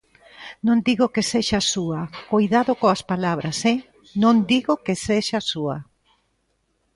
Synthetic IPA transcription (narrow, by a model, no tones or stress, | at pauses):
nõnd̪iɣokeseʃasuɐkojðaðokoaspalaβɾasɛ | nõnd̪iɣokeseʃasuɐ